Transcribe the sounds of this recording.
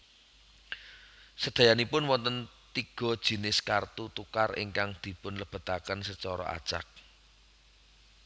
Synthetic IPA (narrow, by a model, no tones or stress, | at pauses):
səd̪̥a̤janipʊnwɔnt̪ən | t̪iɡ̥ɔ̤d̥ʒ̥i̤nɪskart̪ut̪ukarɪ̰ŋkaŋd̪̥i̤pʊnləb̥a̤t̪akənsət͡ʃɔɾɔ̰ʔa̰d̥ʒ̥a̰k̚